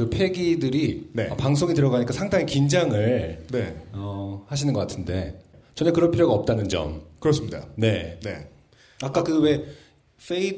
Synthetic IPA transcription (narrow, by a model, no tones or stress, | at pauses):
ɯpʰe̞ɡidɯɾinepaŋs̬ʰoŋitɯɾʌɡaɲik͈asʰaŋdaŋikind͡ʑaŋɯɭne̞ʌhaɕʰinɯnɡʌk͈atʰɯnde̞t͡ɕʌnekɯɾʌnpʰiɾjoɡaʌp̚t͈anɯnd͡ʑʌ̰mkɯɾʌs͈ɯmɲida̰ne̞ne̞̰ | akk͈akɯwe̞ | f͈ʰei